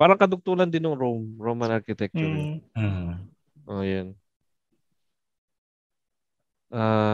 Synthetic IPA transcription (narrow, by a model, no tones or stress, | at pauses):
paːɾɐŋkɐd̪ʊɡ̚t̪uːlɐnd̪ɪnːjʊŋɾomɹomɐnaɾkɪt̪ɛk̚ʊ | ʔoːjon | ʔaː